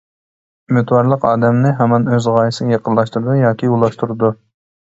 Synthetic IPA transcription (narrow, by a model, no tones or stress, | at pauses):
ymɪt̪wɑɾlˠəqɑːd̪ɛmnɪɦɛmɑnøzʁɑjisɨnjeqʰənlˠɑʃt̪uɾɨd̪ujɑːkʲʰiulˠɑʃt̪ʰuɾɨd̪u